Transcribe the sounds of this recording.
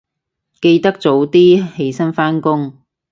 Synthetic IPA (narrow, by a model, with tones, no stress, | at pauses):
ke˧jt̪ɐ˥k̚t͡so˨˥wt̪iː˥he˧jsɐ˥nfaː˥nkʊ˥ŋ